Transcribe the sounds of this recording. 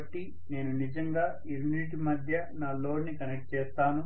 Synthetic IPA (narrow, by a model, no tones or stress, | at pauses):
ɐʈːi | ne̞ːnunid͡ʒɐŋɡaː | iɾuniʈ̬imɐd̪ʱjɐ | naːlo̞ːɾnikɐnek̚ʈ̚t͡ʃɛːst̪aːnu